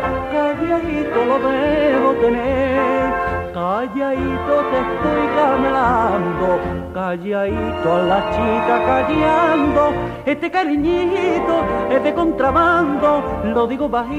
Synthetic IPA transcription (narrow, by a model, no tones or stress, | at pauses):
kaβjaɦit̪oloβeɦot̪ene | kaʎjait̪oseht̪ojkameland̪o | kad͡ʒait̪oalat͡ʃikakaʎjand̪o | eht̪ekaɾiɲiɦit̪oet̪ekont̪ɾaβand̪oloðiɣoβaɦi